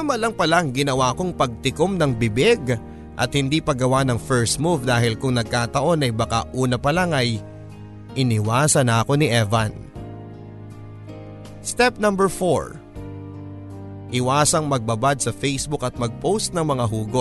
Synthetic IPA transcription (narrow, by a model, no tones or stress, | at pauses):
ɐmɐlɐŋpɐlaŋɡɪnɐwako̞ŋpɐɡ̚t̪ɪkomnɐŋbɪbɪɡ | ʔɐ̰t̪̚hɪnd̪ipɐɡɐwanɐŋfɛɹst̪muvd̪aːɦɪlkʊŋnɐɡ̚kaːt̪ɐʔo̞nɐjbɐka̰ʔuːnɐpɐlaŋɐj | ʔɪnɪwaːsɐnɐɐko̞nɪʔɛvɐn | st̪ɛp̚nɐmbɛɹfo̰ɹ | ʔɪwaːsɐŋmɐɡ̚bɐbad̪̚sɐfejsbukɐt̪̚mɐɡ̚powst̪̚nɐŋmɐŋaɦuːɡo